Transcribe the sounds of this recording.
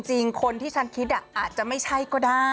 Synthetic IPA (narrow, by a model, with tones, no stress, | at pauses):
ŋt͡ɕi˧ŋkʰo˧nt̪ʰiː˥˩t͡ɕʰa˦˥nkʰi˦˥t̪̚ʔa˨˩ʔaː˨˩t̪̚t͡ɕa˨˩ma˥˩jt͡ɕʰa˥˩jkɔː˥˩daː˥˩